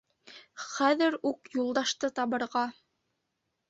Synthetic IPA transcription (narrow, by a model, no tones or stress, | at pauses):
χæðɘɾukjulˠd̪ɑʃt̪ɤt̪ɑβɤ̆ɾʁɑ